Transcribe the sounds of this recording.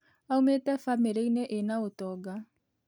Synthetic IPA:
aumetɛfameɾeineʔenaotɔɡa

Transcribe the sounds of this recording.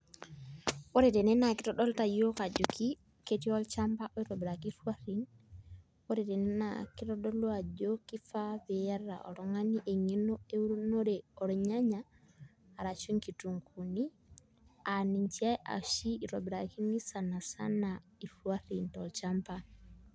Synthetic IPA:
wɔɾɛdɛnɛnakitɔɗɔltajokad͡ʒokʰi | ketiɔlt͡ʃampaʔɔiɾɔbɾakifuwaɾin | wɔɾɛdɛnɛna̰kitɔɗɔluad͡ʒokifabɛjaɾa̰ʔɔ̰ɾɔŋaniʔeŋinɔewuɾnɔɾɛɔɾɔɲaɲaː | ɾat͡ʃuŋkituŋkʰuni | aniɲt͡ʃiajʔa̰ʃiiɾɔbɾakinisanasa̰naifuaɾintɔlt͡ʃampa

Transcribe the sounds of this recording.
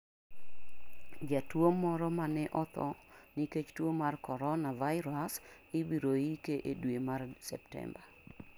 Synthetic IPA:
d͡ʒatwomːɔɾɔmanɛʔɔt̪ʰɔ̰niket͡ʃtwomarkɔɾɔnavajɪɾas | ɪbiɾoikeʔedwemarsɛ̰ptɛ̰mba

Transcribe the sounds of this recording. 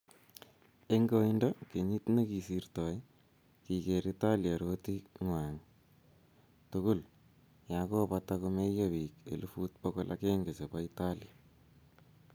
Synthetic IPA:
eŋɡoindokeɲit̪nekisirtɔj | kikeɾitaljaɾotiŋwaŋ | tʊkʊl | jakopatakumejabikḛlufut̚pɔkolʔa̰keŋɡesepaitalja

